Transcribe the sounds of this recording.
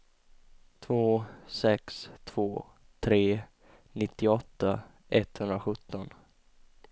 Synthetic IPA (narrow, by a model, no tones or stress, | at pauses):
t̪ʰvoːsɛkst̪ʰv̥oː | t̪ʰɾeː | nɪt̪ːɪɔt̪ːa | ʔɛt̪hɵnd̪ɾaɧɵt̪ːɔn